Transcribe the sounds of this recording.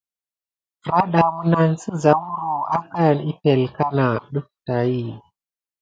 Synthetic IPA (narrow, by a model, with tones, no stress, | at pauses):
fɾa˦ɗa˨wu˨na˨nsə˦za˨wu˦ɾu˨a˦ka˦˨ni˦pe˨lka˦na˨ɗu˦k̚ta˨ji˦˨